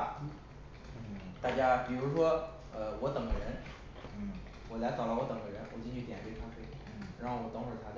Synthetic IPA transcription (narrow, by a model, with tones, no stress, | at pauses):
t̪a˥˩t͡ɕja˥pi˨˩ɻu˧˥ʂwɔ˥ | ə˧wɔ˧˥t̪ɤ˨˩ŋɡə˧ɻə˧˥n˥˩ | wɔ˨˩la˧˥ɪt͡sɑ˨˩ʊlə˥˩wɔ˧˥t̪ɤ˨˩ŋɡə˦ɻə˧˥nwɔ˨˩t͡ɕi˥nt͡ɕʰy˥˩jɛ˨˩npe˥t̪ʰa˥fwe˥ɪ˥˩ɻa˧˥xo˥˩ʊwɔ˨˩t̪o˥ŋʂɻ̩˥˩t̪ʰa˥ə˧